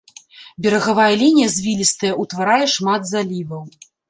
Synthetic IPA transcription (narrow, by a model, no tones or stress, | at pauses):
bʲɛɾɐɣavajɐlʲinʲijɐzʲvʲilʲist̪ɐjɐʔut̪vaɾajɛʂmad̪zalʲivɐw